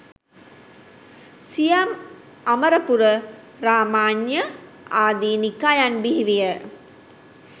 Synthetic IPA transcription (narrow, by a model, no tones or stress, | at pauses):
sijam | aməɾəpuɾə | ɾaːmaːnjə | aːd̪iːnikajanbiɦiʋijə